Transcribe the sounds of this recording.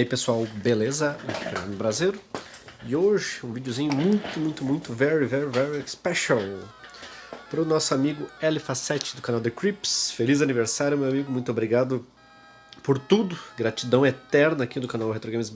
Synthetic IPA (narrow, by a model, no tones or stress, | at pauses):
ipesuawbelezɐ̃feɐ̃nʊbɾaziɾɪoʒɪũvid͡ʒozĩɲʊmũj̃t̪ʊmũj̃t̪ʊmũj̃t̪ʊvɛɾivɛɾɪvɛɾispɛʃɐl | pɾʊnɔsʊamiɡʊɛlɪfasɛt͡ʃɪ̥d̪ʊkanawd̪ɪkɾipsfelizɐniveɾsaɾjʊmewamiɡʊmũj̃t̪ʊobɾiɡad̪ʊ | poɾt̪ud̪ʊɡɾat͡ʃid̪ɐ̃w̃et̪ɛɾnɐːkid̪ʊkanawɦet̪ɾoɡẽmɪz